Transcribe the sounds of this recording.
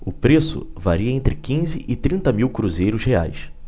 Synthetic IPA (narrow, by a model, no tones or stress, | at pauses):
ʊpɾesʊ̰va̰ɾiɐẽnt̪ɾɪkĩzɪʔɪt̪ɾĩnt̪ɐmiwkɾuzejɾʊzhea̰js